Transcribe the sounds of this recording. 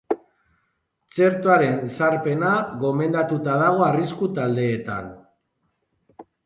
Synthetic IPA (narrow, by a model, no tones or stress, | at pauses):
t͡se̞ɾt̪oaɾe̞nsaɾpe̞naɣo̞me̞nd̪at̪ut̪aðaɣ̞o̞ariskut̪ald̪e̞ːt̪a̰n